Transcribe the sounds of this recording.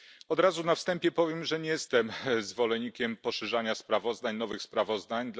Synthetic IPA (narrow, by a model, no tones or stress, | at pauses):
ɔd̪ɾazunafst̪ɛmpʲjɛpɔvʲjɛmʐɛɲjɛst̪ɛmzvɔlɛɲːikʲɛmpɔʂɛʐaɲaspɾavɔzd̪aɲnɔvɘxspɾavɔzd̪aɲd̪